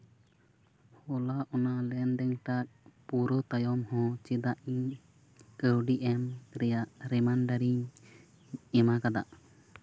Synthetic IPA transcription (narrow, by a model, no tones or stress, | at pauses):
hɔlaʔɔnalɛnd̪ɛŋʈak̚puɾɔt̪ajɔmhɔ̃t͡ʃɛd̪aʔiɲ | kəɾɖiʔɛmɾɛjaʔɾɛmanɖaɾiɲ | ɛmakad̪a̰ʔ